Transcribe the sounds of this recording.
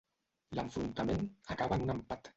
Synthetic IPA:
laɱfɾunt̪amenakaβaŋnampat̪

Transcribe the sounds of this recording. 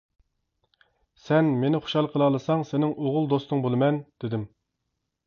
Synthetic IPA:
sɛnmenɪχo̥ʃɑlˠqʰəlˠɑlˠɨsɑŋsenɪŋʔoʁʊlˠd̪ost̪ʊŋbolˠɨmɛnd̪̥ɪd̪ɪm

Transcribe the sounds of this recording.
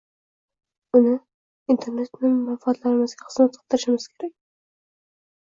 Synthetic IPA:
ʊnɪ | int̪ʰe̞ɾne̞t̪nɪmanfat̪laɾɪmɪzɡʲaχɨ̥z̥mat̪̚ɑ̥lt̪ɪɾɪʃɪmɪz̥kʲʰe̞ɾakʲ

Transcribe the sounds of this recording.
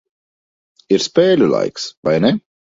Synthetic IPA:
iɾspeːlʲula̰jksbajnɛ

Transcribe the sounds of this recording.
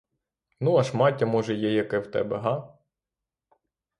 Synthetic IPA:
nuɐʃmɑtʲːɐmɔʒɛjɛjɐkɛwt̪ɛ̰bɛɦɑ

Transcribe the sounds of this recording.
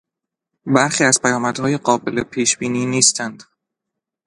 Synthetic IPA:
bæɾxiːæzpʰæjɒːmæd̪̥hɒːjeɢɒːbelepʰiːʃb̥iːniːniːst̪ʰænd̪̥

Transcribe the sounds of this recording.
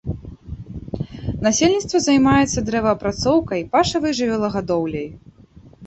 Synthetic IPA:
nasʲelʲnʲit̪st̪vɐzajmajɛt̪sːɐd̪ɾɛvɐːpɾat̪sɔwkɐjpaʂɐvɨjʐɨvʲɛlˠɐɣad̪ɔwlʲɐj

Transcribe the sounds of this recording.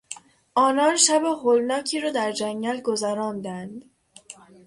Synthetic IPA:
ʔɒːnɒːnʃæbeholnɒːcʰiːɾɒːd̪æɾd͡ʒæŋɡɟælɡozæɾɒːnd̪ænd̪

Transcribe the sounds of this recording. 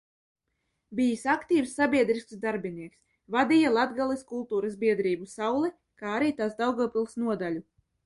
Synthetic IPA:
bʲijisʲakt̪iːwsːabʲiɛd̪ɾisksd̪aɾbiniɛks | vad̪ijalˠad̪ɡalˠiskulˠt̪uːɾasbʲiɛd̪ɾiːbusawlˠɛ | kaːaɾiːt̪asd̪awɡɔːpʲilˠsnuɔd̪alʲu

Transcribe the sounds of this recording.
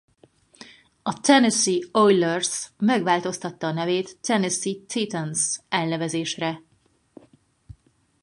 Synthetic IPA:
ɒt̪ɛnɛsiojlɛrsmɛɡʋaːlt̪o̞st̪ɒt̪ːɒːnɛveːt̪ːɛnɛsit̪it̪ɛnsɛlnɛvɛzeːʃrɛ

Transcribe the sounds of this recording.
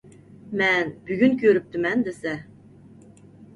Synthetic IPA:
mɛnb̥yɡʲynkʰʲøɾyp̚t̪ʰɪmɛnd̪esɛ

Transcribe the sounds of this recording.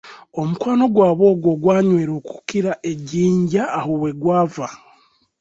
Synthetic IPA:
o̞mukwaːno̞ɡwaːβo̞ːɡwo̞ɡwaːɲweːɾoku̥kiɾaʔeɟiːɲɟaːhoβwe̞ɡwaːva

